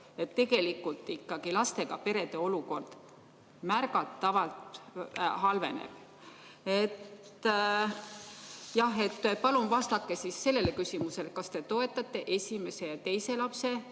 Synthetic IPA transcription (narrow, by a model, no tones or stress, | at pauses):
e̞t̪ːe̞ɡ̥e̞likːult̪ˑːikːɑɡ̥ilɑst̪e̞ɡ̥ɑpe̞ɾe̞d̪̥e̞o̞luko̞rd̪̥ | mæɾɡɑt̪ːɑvɑlt̪ | ɦɑlve̞nḛb̥ | e̞t̪ː | jɑhe̞t̪ːpɑlumvɑst̪ɑkːe̞sisːe̞lːe̞lekysimuse̞lkɑst̪e̞t̪o̞e̞t̪ːˑɑt̪ːˑe̞ʔesʲime̞se̞t̪e̞jse̞lɑpse̞